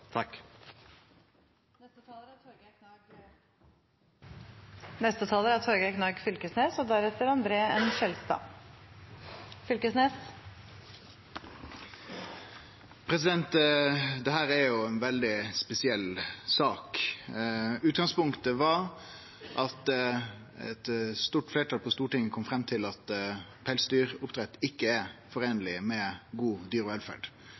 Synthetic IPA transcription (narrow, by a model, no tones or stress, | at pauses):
t̪ʰɑk | nɛst̪ət̪ʰɑːləɾæt̪ʰoɾɡəknɑɡ | nɛst̪ət̪ʰɑːləɾəæt̪ʰɔɾɡæknɑːɡfʏlkəsneːsɔd̪æɾɛt̪ːəɾɑnd̪ɾeːəɛnʃɛlst̪ɑ̰ | fʏlkəsneːs | pʰɾɛsɪd̪ɛnt̪d̪ɛɦæːɾæɾjʊɛnʋɛld̪ɪspɛsɪɛlːsɑːk | ʉːt̪ɡɑŋspʊŋkt̪əʋɑɾ | ʔɑt̪ | ɛ̰t̪st̪uːʈfleːʈʰɑːlpʰɔst̪uːʈɪŋəkʰɔmfɾɛmːt̪ʰɪlɑt̪pʰɛɪlsd̪yːɾʊpt̪ʰɾɛt̪ːɪkːəɛfɔɾeːnəlɪmɛɡuːd̪yːɾɔʋɛlfæ̰ɖ̥